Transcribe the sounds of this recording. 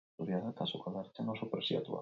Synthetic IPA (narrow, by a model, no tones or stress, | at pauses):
uβjaðakasokaðaɾt͡ʃanosopeɾsḭa̰t̪ua̰